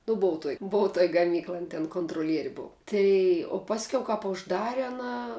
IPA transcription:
nʊ ˈbʊʋʊ tuɔj ˈbʊʋʊ tuɔj ɡɐˈmʲiːklˠɐj ˈɐn tʲɛn koːntroːˈlʲiɛrʲɪ ˈbʊʋʊ ˈtɐɪ oː ˈpɑːsʲˈkʲɛʊ kɐp ʊʒˈdɑːrʲɛ ɐˈnɐ

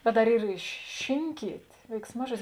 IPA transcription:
bʲɛt dɐr ˈiːr ɪ ʃʲɪ ˈʃʲɪŋʲkʲiːtʲ ʋʲɛɪksˈmɑːʒuɔdʲɪs

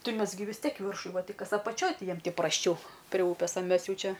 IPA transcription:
ˈtɐɪ ˈmʲɛs ɡʲɪ ʋʲɪs ˈtʲiɛk ɪ ˈʋʲɪrʃʊ ˈʋɐ ˈtɐɪ ˈkɐs ɐpɐˈt͡ʃʲoːj ˈtʲɪ ˈjiɛm tʲɪ prɐsʲˈt͡ʃʲɛʊ pʲrʲɛ ˈuːpʲeːs ɐ ˈmʲɛs ˈjɛʊ ˈt͡ʃʲɛ

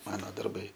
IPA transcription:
ˈmɑːnoː dɐrˈbɐɪ

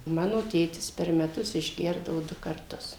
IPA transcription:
ˈmɑːnoː ˈtʲeːtʲɪs pʲɛr mʲɛˈtʊs ɪʒʲˈɡʲɛrdɐʋoː ˈdʊ kɐrˈtʊs

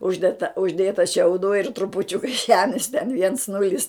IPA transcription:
ˈʊʒʲdʲɛt tɑː ʊʒʲˈdʲeːtɐ ʃʲɛʊˈduː ɪr trʊpʊˈt͡ʃʲʊkɐ ˈʒʲæːmʲɪs tʲɛn ʋʲiɛns ˈnʊlʲɪs

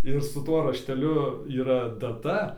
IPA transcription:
ɪr sʊ ˈtuɔ rɐʃʲtʲɛˈlʲʊ iːˈrɐ dɐˈtɐ

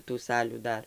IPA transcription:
tuː ˈsɑːlʲuː ˈdɐr

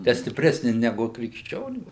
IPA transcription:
tʲɛ sʲtʲɪpʲˈrʲæːsʲnʲɪ nʲɛˈɡʊ krʲɪkʃʲˈt͡ʃʲoːnʲuː

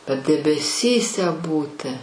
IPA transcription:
bʲɛt dʲɛbʲɛˈsʲiːsʲɛ ˈbuːtʲɪ

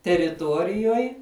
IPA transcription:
tʲɛrʲɪˈtuɔrʲɪjuɔj

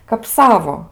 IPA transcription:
kɐp ˈsɑːʋoː

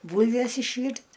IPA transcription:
ˈbuːlʲʋʲɛs ɪʃʲˈʋʲiːrʲtʲ

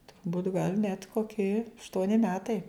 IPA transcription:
tʊrˈbuːtʲ ɡɐlˠ nʲɛt koːˈkʲɪ ɐʃˈtuɔnʲɪ ˈmʲæːtɐɪ

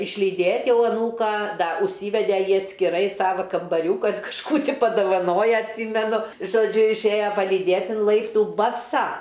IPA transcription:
ɪʃʲlʲiːˈdʲeːtʲ ˈjɛʊ ɐˈnuːkɑː dɐ ʊʃʲˈsʲiːʋʲɛdʲɛ ˈjiː ɐtʲsʲkʲɪˈrɐɪ ˈsɑːʋɐ kɐmbɐˈrʲuːkɐn kɐʃˈkuː ˈtʲiː pɐdɐʋɐˈnoːjɛ ɐtʲˈsʲiːmʲɛnʊ ʒoːˈd͡ʒʲʊ ɪʃʲˈeːjɛ pɐlʲiːˈdʲeːt ɪn ˈlˠɐɪptuː bɐˈsɐ

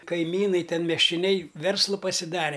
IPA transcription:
kɐɪˈmʲiːnɐɪ ˈtʲɛn mʲiɛsʲt͡ʃʲoːˈnʲɛɪ ˈʋʲɛrslˠʊ pɐsʲɪˈdɑːrʲɛ

